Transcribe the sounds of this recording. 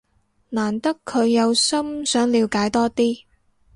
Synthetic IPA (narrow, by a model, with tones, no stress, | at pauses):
naː˨˩nt̪ɐ˥kʰːɵ˨˧ɥjɐ˨˧wsɐ˥msœː˨˥ŋliː˨˧wkaː˨˥jt̪ɔː˥t̪iː˥